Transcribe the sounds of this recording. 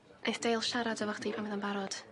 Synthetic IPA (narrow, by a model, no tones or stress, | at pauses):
ejθd̥ejlˠʃaɾadəvɔχd̥iːpʰanməðənbaɾɔd̥